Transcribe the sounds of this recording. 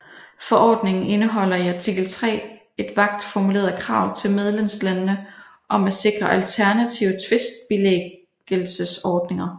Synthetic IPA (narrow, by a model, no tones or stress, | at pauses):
fɒʔɒ̰ːd̥ne̝ŋn̩e̝nəɦɒ̽l̰ɐiæt͡sʰiɡ̥l̩t͡sʰʁɛ̰ː | e̝d̥ʋɑ̈ɡ̥̚d̥fɒmule̝̰ːɐð̩ˠkʰʁɑ̈ʊ̰t͡sʰe̝lmeð̞ˠlemslænnə | ʔɒ̽mæse̝ɡ̥ʁɐʔælt͡sʰæɐnæt͡sʰiʊət͡sʰʋe̝sd̥̚b̥ile | ɡ̥əlsəsɒːd̥ne̝ŋɐ